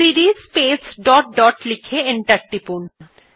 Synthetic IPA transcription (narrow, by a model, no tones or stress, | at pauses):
iɾispeːsɖɔːʈ̚ɖɔːʈlikʰeɪɳʈəɾʈːipun